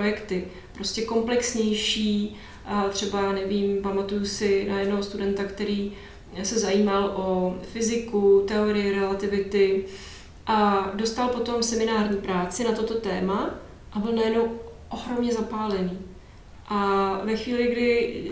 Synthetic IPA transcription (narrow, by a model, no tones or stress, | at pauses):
pɾojɛkt̪ɪ | pɾo̞scɛko̞mplɛksɲɛjʃiː | t̪r̝̥ɛbaanɛviːmpamat̪ujusɪnajɛdnoɦost̪udɛnt̪akt̪ɛɾiː | sɛzajiːmalʔofɪzɪkut̪ɛoɾɪjɪɾɛlat̪ɪvɪt̪ɪ | ʔado̞st̪alpo̞t̪o̞msɛmɪnaːrɲiːpɾaːt͡sɪnat̪o̞t̪o̞t̪ɛːma | ʔabɪlnajɛdnow | ʔoɦɾo̞mɲɛzapaːlɛniː | ʔavɛxviːlɪɡdɪ